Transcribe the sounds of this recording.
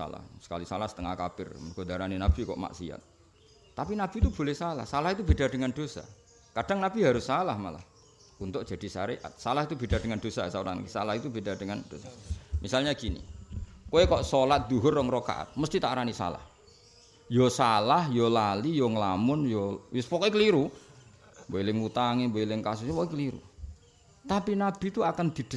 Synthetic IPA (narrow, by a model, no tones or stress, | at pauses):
a̰la̰hsə̥ka̰lisalahsə̥t̪əŋahkapɪrɡ̥odaɾaninab̥i̤kɔ̰ʔma̰ʔsḭa̰t̪̚ː | apinab̥it̪ub̥o̤lɛhsala̰hsalahit̪ub̥edardəŋand̥osa̰ | kad̥aŋnab̥iɦaɾʊsːalahmala̰h | unt̪ʊʔ̚dd͡ʒ̥a̤d̥i̤saɾeʔa̰t̪̚salahit̪ub̥ed̥ardəŋand̥osasauɾa̰nkisalahit̪ub̥edardəŋand̥osamisalɲakinḭkoekɔʔsolat̪̚d̪̥uɦʊrːɔŋɾoka̰ʔa̰t̪̚məst̪it̪aʔɾanisa̰la̰h | josalahjolalijoŋəlamʊnjowɪspɔkɔjkəliɾu | mboelɪŋut̪aŋiboelɪŋkas̬ʊspɔkɔjkəliɾṵ | t̪apinab̥i̤t̪uakand̪̥id̪̥ə